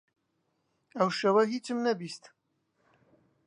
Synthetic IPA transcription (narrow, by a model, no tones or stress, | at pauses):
ɐwʃɐwɐɦit͡ʃɨmnɐbist̪